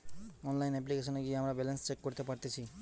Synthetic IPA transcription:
ɔnlajnep̬likesʌnɡiɦamɾabelenst͡ʃekːɔɾt̪epaɾt̪et͡sʰi

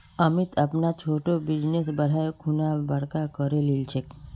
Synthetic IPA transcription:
əmit̪apnat͡ʃʰoʈobid͡ʒnesbəɽ̤ajkʰunabəɽkakəɾelilt͡ʃʰek

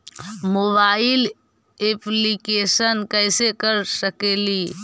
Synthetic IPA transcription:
moːbaːɪl | eplikeːsənkɛːɪsekəɾsəkeli

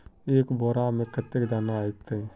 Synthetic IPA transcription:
eːkbɔːɾamẽkət̪ːekd̪aːnaait̪ːe

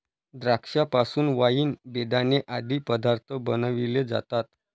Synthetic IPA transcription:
d̪ɾakʂapasuːnʋajiːnbed̪aneʔad̪ʱiːpəd̪aɾt̪ʰəbənəʋiled͡za̰t̪at̪̚

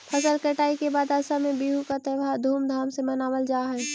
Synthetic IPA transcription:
pʰəsəlkəʈaːikebaːd̪aːsamẽbiɦukat̪eʋʱad̪ʱuːmd̪ʱaːmsemɐnaːʋəld͡ʒaːɦɛː

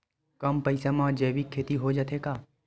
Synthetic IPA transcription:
kɐmpəɪsamãːd͡ʒɛːbikʰːeːt̪iɦod͡ʒat̪ʰekaː

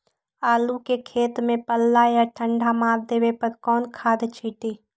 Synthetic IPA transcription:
aːlukekʰeːt̪mẽpəlːajaʈʰə̃ɳɖʱamaːɾd̪eːʋepəɾkɔːnkʰaːd̪t͡ʃʰiʈiː

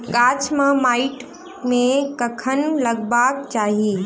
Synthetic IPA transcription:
kaːt͡ʃʰmãmaːɪʈ | mẽkɐkʰənlɐɡbaːkt͡ʃaːɦiː

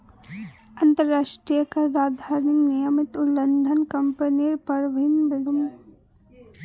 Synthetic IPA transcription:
ɐnt̪əɾːaːʃʈɾijəkaɾaːd̪ʱaɾniknijəmɪt̪ulːənd̪ʱənkɐmpəniɾpɐɾʋiinbɐlum

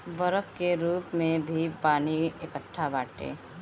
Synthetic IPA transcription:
bəɾəkkeɾuːpmẽbʱipaːniekəʈʰːabaːʈḛː

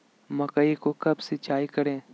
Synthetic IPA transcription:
mɐkəikokɐbsɪt͡ʃaːikɐɾẽː

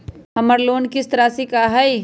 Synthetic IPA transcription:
ɦɐməɾloːnkɪst̪ɾaːsikaɦɐi

